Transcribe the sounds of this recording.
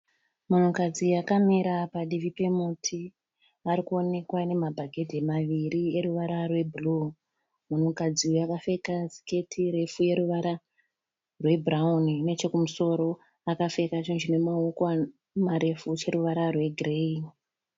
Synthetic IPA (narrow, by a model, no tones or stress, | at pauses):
mun̤ukad͡zijakamiɾapaɗiʋipe̞mutʰi | ʋaɾikuo̞ne̞kwane̞mabʱaɡʱe̞demaʋiɾie̞ɾuʋaɾarwe̞bʱulu | mun̤ukad͡ziujakafe̞kasi̥ke̞tʰiɾe̞fuje̞ɾuʋaɾa | rwe̞bʱraunne̞t͡ʃe̞kumuso̞ɾo̞ | akafe̞kat͡ʃind͡ʒinemaukwa | maɾe̞fut͡ʃe̞ɾuʋaɾarwe̞ɡrein